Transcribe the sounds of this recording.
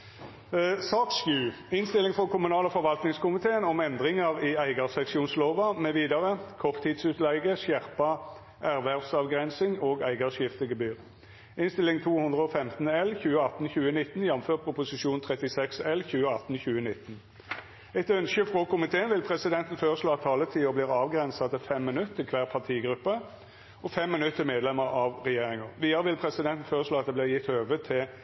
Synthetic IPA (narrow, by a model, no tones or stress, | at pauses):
sɑːkskʉː | ɪnst̪ɪlɪŋfʁɔkʰʊmʉnɑːləfɔʁʋɑlt̪nɪŋskʊmɪt̪ʰeːənɔmɛnd̪ʁɪŋɑʁɪæɪɡɑsɛksɪuːnsloːʋɑmɛʋiːd̪ɑʁəkʰɔʁt̪ʰːiːd̪sʉːt̪lɛɪɡəsjæʁpɑ | ʔæʁʋæʁʋsɑʋɡʁɛnsɪŋoːɡæɪɡɑʂjɪft̪əɡəbyːʁ | ɪnst̪ɪlɪŋt̪ʰuːhʊnd̪ʁəɔfɛmt̪n̩ɛlçʉːəɑt̪n̩çʉːənɪt̪njɛm̩føːʁtpʰʁʊpʊsɪʃuːnt̪ʰʁɛt̪ɪsɛksɛlçʉːəɑt̪n̩çʉːənɪt̪ːn̩ | ɛɪt̪œnʃəfʁoːkʰʊmɪt̪ʰeːənʋɪlpʰʁɛsɪd̪ɛnt̪n̩føːʁəsloːɑt̪ʰːɑːlːət̪ʰiːʊbliːʁɑːʋɡɾɛnsɑt̪ɪfɛmːɪnʉt̪ːɪkʰʋæːʁpʰɑʁt̪ʰiːɡɾʉpːə | ɔfɛmːɪnʉt̪ːəmeːd̪lɛməɾɑʋʁɛjeːʁɪŋəʁʋiːɑʁəʋɪlpʰʁɛsɪd̪ɛnt̪n̩føːʁəsloːɑt̪d̪eːblɪːʁjɪt̪øːʋət̪ʰɪ